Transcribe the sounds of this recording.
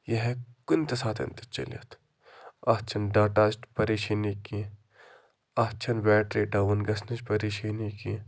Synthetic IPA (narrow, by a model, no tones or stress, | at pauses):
jɐɦekunt̪ɐsaːt̪ʰɐ̰nt̪ɐt͡ʃɐ̰lɐ̰t̪ʰ | at͡ʃʰɐnɖaːʈaːsʈpɐɾiːʃiːniki | at͡ʃʰɐnbɛːʈɾiːɖaːwnɡɐsnɐt͡ʃpɐɾiːʃiːniki